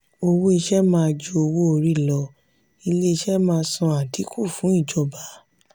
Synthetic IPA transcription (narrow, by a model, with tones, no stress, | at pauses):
o˧wo˦e˧ʃɛ˦mãː˦˧d͡ʒu˧˦o˧wo˦o˧ɾi˦˨lɔ˧ | i˧le˦i˧ʃɛ˦mãː˦˧sɔ̃˧a˨tʰi˨˦ku˦˨fũ˨˦i˦˨d͡ʒɔ˧ba˨˦